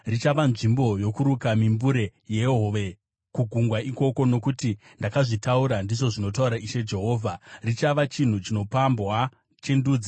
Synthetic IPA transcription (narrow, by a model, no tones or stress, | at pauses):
rit͡ʃaʋanʐimbo̞jo̞kuɾukamimbuɾe̞je̞ɦoʋe̞ | kuɡʱuŋɡwaiko̞ko̞no̞kutindakaʐitauɾandiʐo̞ʐino̞t̬auɾaʔiʃe̞d͡ʒe̞ɦo̞ːvʱarit͡ʃaʋat͡ʃin̤ut͡ʃino̞pambwa | t͡ʃenduːd͡zi